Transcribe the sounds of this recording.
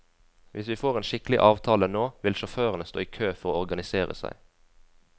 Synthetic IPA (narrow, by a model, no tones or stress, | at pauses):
ʋʔɪsʋiːfoːʁeːnʃɪklɪ̰ʔɑːʋt̪ʰɑːlənoːʋɪlʃʊføːʁənəst̪oːiːkʰøːfɔʁoːɔʁɡɑnɪseːʁə̰sæ̰ɪ